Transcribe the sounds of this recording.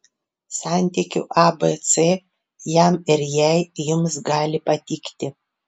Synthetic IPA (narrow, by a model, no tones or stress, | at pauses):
sɑˑnʲt̪ʲɪkʲʊ̰ʔɑbet̪se | jæmɪɾjɛˑɪjʊmsɡɑːlʲɪpɐt̪ʲɪkt̪ʲɪ